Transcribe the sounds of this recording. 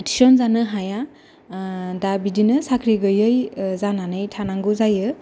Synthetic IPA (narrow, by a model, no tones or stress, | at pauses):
ti̥sɔnzanɯɦaja | dabidinɯsakʰɾiɡɯjɯjzananɯjtʰanaŋɡuzajɯ